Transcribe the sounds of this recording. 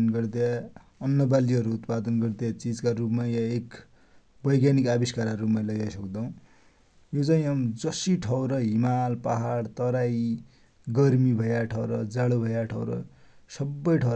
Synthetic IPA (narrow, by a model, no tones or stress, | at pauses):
nɡʌrd̪ja | ʌnːʌbaliɦʌɾuːt̪pad̪ʌnɡʌrd̪jat͡sid͡zkaɾupmajãek | bʌjɡanikabiskaɾarupmalʌɡajsʌkd̪aũ | jot͡saĩamd͡zʌsiʈʰʌwɾʌɦimalpaɦaɽt̪ʌɾaj | ɡʌrmibʱʌjaʈʰʌwɾʌd͡zaɽubʱʌjaʈʰʌwɾʌ̰sʌbːʌjʈʰʌw